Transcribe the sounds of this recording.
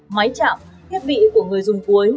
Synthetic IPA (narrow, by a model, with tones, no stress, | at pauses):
ma˨˦jt͡ɕa̰ː˧˨m | t̪ʰi˦˥əp̚ɓḭ˧˨ku˧˩əŋɨ˨˩əjzʊ˨˩ŋ͡mku˨˦əj